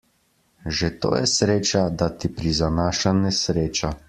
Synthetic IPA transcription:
ʒet̪o̰ːjɛsɾeːt͡ʃad̪at̪ipɾizanaːʃanɛsɾeːt͡ʃa

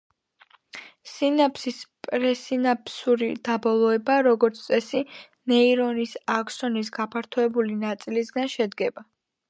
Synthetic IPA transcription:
sinapʰsispʼɾɛsinapʰsuɾḭd̪̥abɔlˠɔɛbaɾɔɡɔɾt̪sʰt̪sʼɛsi | nɛiɾɔnisakʰsɔnis̬ɡapʰaɾt̪ʰɔɛbulinat̪sʼilisɡanʃɛd̪ɡɛba

